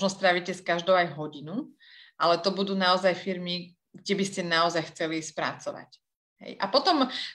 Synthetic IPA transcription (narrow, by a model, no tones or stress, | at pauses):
nɔst̪ɾaʋicɛskaʒd̪ɔʊajɦɔɟinu | ʔalɛt̪ɔbud̪uːnaɔzajfiɾmi | ɡ̚ɟɛbiscɛnaɔzajxt͡sɛlispɾa̰t͡sɔʋa̰c | ɦɛ̰jʔa̰pɔt̪ɔm